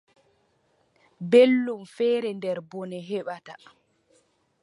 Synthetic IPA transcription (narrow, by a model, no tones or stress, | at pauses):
belːumfɛːɾɛndɛɾbɔnɛɦɛɓata